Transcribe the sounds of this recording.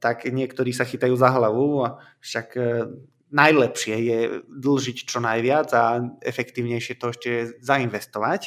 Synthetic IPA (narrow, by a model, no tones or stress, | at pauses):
t̪akɲɪɛkt̪ɔɾiːsaxiːt̪ajuːzaɦlaʋua | fʃaɡ | najlɛpʃɪɛjɛd̪l̩ʒict͡ʃɔnajʋɪad͡zaɛ̰fɛkt̪iːʊɲɛjʃɛt̪ɔɛʃcɛzainʋɛst̪ɔʋac